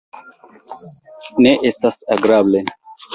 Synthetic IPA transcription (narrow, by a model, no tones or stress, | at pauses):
neʔesɐsɐɡɾaːblen